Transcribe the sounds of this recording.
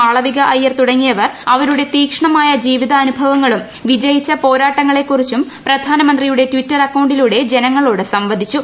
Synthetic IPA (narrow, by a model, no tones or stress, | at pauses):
ɐɭɐʋiɣɐʔɐjːɐrt̪uɽɐŋːijɐʋɐrɐʋɐɾuɽe̞t̪iːkʂɐɳɐmaːjɐd͡ʑiːʋiðɐːnubʱɐʋɐŋːɐɭum | ʋid͡ʑɐjit͡ɕːɐpo̞ːɾaːʈːɐŋːɐɭe̞kːurit͡ɕːumprɐd̪ʱaːnɐmɐnd̪rijuɽe̞tʋitːɐrɐkːɐwɳɖiluɽe̞d͡ʑe̞nɐŋːɐɭoːɽɨsɐmʋɐd̪ʱit͡ɕːu